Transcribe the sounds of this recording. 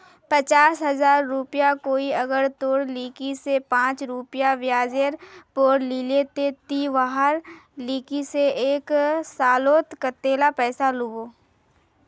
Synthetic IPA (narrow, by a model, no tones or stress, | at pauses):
pət͡ʃaːsɦɐzaːɾːupjakoːiɐɡəɾt̪oːɽliːkisepãːt͡ʃɾupjaʋjaːd͡ʒeɾpoːɽliːlet̪et̪iʋaɦəɾliːkiseeːksaːloːt̪kət̪ːeːlapɛːsalʊɡoː